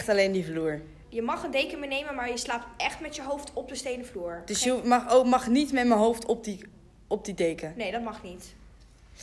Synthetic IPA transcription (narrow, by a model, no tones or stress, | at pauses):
χtɑlejndivluːɹ | jəmɑχəndejkəmɪnejməmaːɹjəslaːp̚tɛχtmɛtjəɦowftɔp̚dəstejnəvluːɹd̥ɵsjəmɑχomɑχnitmɛtməɦowftɔp̚di | ɔb̚didejkənejdɑt̚mɑχnit